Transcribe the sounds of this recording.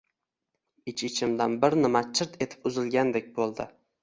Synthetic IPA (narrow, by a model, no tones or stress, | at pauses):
ɪt͡ʃɪt͡ʃʰɪmd̪anbɪɾnɪmat͡ʃʰɪɾt̪ʰe̞t̪ʰɪ̥pʊzɪlɡʲand̪ek̚ʲbolˠd̪ɪ